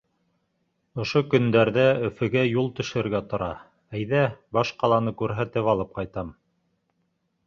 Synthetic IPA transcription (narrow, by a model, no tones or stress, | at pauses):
ŏʃokɵ̆nd̪æɾðæɵ̆fɘ̆ɡæjulˠt̪ɵ̆ʃɘ̆ɘ̆ɾɡæt̪ŏɾɑ | æjðæbɑʃqɑlˠɑnɤkʉɾɦæt̪ɘpɑlˠɤp̚qɑjt̪ɑm